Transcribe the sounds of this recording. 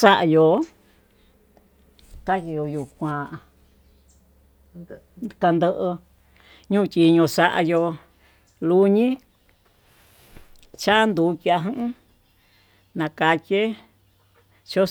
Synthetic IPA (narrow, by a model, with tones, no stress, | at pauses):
sa˦ʔa˧jo˨ | ka˦ji˧jo˧ju˨kʷã˨˧ | ka˧nd̪ə˦˧ʔə˧ | ɲũ˦˧tʲi˧ɲõ˧sa˧ʔa̰˧jo˧ | lu˧ɲĩ˦ | t͡ʃa˦nd̪u˨˧˦ki˧a˧ɦɨ̃˦ʔ | nã˨˧ka˧ke˦ | t͡ʃo˦